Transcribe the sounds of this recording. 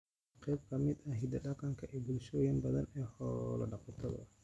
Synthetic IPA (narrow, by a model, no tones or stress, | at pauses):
qɛjb̚kʰɐmɪd̪ɐɦid̪ɐɖɐqɐŋkʰɐʔɛːbulʃɔːjɐnbɐðɐnɛːhɔlɐ̰ɖɑqɔt̪ʰɐðɐ̰